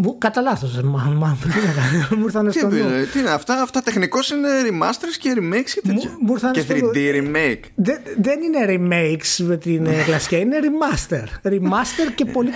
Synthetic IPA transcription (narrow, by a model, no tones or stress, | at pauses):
mukɐt̪ɐlɐθosemɐmɐmt̪inekɐnmuɾθɐnest̪iolet̪iineɐft̪ɐft̪ɐt̪exniko̞sineɾimɐ̰st̪eɾsceɾimejkscet̪emumuɾθɐneθiðiɾimejkðeðenine̞ɾimejksmet̪inklɐsi̥cɐine̞ɾimɐst̪eɾɾimmɐst̪eɾcepo̞li